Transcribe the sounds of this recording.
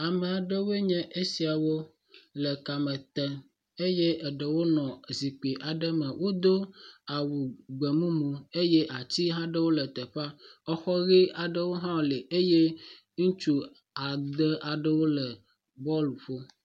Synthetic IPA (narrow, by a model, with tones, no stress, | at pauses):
a˨mɛ˨a˨ɖə˦we˦ɲɛ̃˦ʔe˦si˨a˨wo˦ | lə˨ka˨mɛ̃˨t̪ɛ˦ | e˦jɛ˦ʔɛ˨ɖə˨wo˦nɔ̃˨zi˨k͡pi˨ʔa˨ɖə˦mɛ̃˨wo˦d̪o˦a˨wu˨ɡ͡bɛ˨mũ˦mũ˨e˦jɛ˦ʔa˨t͡ɕi˦ɦã˦ɖə˦wo˦lə˨t̪ɛ˨ɸa˦ɔ˦xɔ˦ɣi˦a˨ɖə˦wo˦ɦã˦˨le˨ʔe˦je˦ | ŋũ˦t͡ʃu˦ | a˨d̪ə˦ʔa˨ɖə˦wo˦lə˨ | bɔ˦lɸo˦